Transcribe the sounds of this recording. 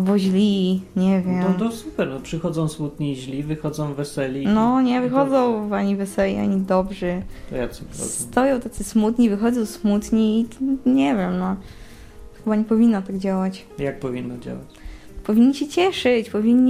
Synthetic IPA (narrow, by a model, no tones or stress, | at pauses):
vɔʑlʲiɲɛvʲjɛmnɔsupɛɾnɔpʂɨxɔd̪zɔ̃w̃smut̪̚ɲiʑlʲivɘxɔd̪zɔ̃w̃vɛsɛlʲinɔɲɛvɨxɔd̪zɔ̃w̃vaɲivɛsɛlʲia̰ɲid̪ɔbʐɛt̪ɔ̰ja̰sɛvxɔ̰szɛt̪ɔjɔ̃w̃t̪at̪sɨsmut̪ɲivɘxɔd̪zɔ̃w̃smut̪ɲiːɲɛvʲjɛmnɔ | xɘbaɲɛpɔvʲinːɔt̪aɡd͡ʑawat͡ɕ | jak̚pɔvʲinːɔd͡ʑa̰wat͡ɕ | pɔvʲiɲːiɕɛt͡ɕɛʂɘt͡ɕpɔvʲiɲːi